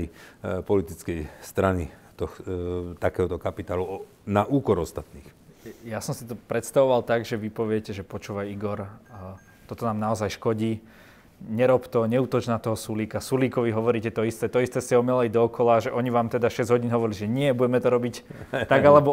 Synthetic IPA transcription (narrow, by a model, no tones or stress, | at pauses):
ipɔlit̪it͡skɛjst̪ɾanit̪ɔxt̪akɛːɦɔt̪ɔkapit̪aːlu | naʔuːkɔɾɔst̪at̪niːxjasɔmsit̪ɔpɾɛt̪st̪aʋɔʋalt̪aɡʒɛʋipɔʋɪɛcɛʒɛpɔt͡ʃuːʋajiɡɔɾ | t̪ɔt̪ɔnaːmnaɔzajʃkɔɟiː | ɲɛɾɔpt̪ɔɲɛuːt̪ɔt͡ʃnaːt̪ɔɦɔsuliːkasuliːkɔʋiɦɔʋɔɾiːcɛt̪ɔist̪ɛːt̪ɔist̪ɛːsɛɔmɛlɛjd̪ɔːkɔlaʒɛʔɔɲiʋaːmt̪ɛd̪aʃɛzɟʲɦɔɟinɦɔʋɔɾiliʒɛɲɪɛbuɟɛmɛt̪ɔɾɔbic | t̪aɡalɛbɔ